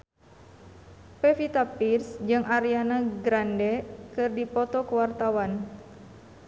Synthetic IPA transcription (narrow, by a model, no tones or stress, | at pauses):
pɛfit̪apirsd͡ʒɨŋʔaɾianaɡɾandɛkɨrdipɔt̪ɔkəwart̪awan